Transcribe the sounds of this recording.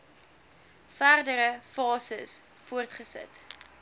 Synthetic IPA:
færdəɾəfɑːsəs | fuərtχəsə̰t

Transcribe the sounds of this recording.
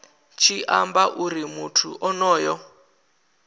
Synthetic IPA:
t͡ʃʰiʔambaʔuɾimutʰuʔɔnɔːjɔ

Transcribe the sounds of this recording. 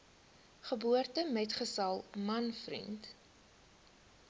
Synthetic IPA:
χəbuərtəmɛtχəsɐlˠmɐnfrḭnt

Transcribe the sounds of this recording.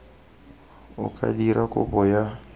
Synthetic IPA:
ʊ̰kʼa̰diɾakʼʊ̰bɔja

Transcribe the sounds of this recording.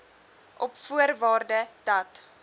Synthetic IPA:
ʔɔpfuərvɑːrdəd̥ɐt

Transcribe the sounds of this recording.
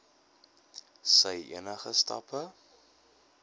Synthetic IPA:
səjḭənəχəstɐ̰pə

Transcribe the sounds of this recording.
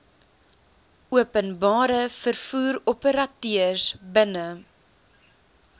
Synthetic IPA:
uəpənbɑːɾəfərfuːɾɔpəɾɐtøərsbənə

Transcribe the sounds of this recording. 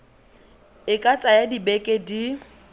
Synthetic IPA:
ɪkʼat͡sʼajadibɛkʼedi

